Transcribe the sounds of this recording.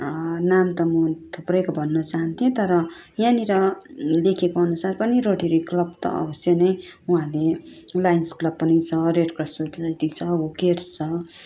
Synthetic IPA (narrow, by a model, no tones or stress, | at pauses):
namt̪ʌmʌt̪ʰuprʌjkobʱʌnːʌt͡saɦʌnt̪ʰijẽt̪ʌɾʌjãniɾʌlekʰekoʌnusarpʌniɾoʈeɾiklʌbt̪ʌ̰ʌ̰bʌsjʌnʌjuɦãlelajnsklʌb̚pːʌnit͡sʰʌreɖkrʌsoʈsʌjt̪it͡sʰʌukert͡sʰʌ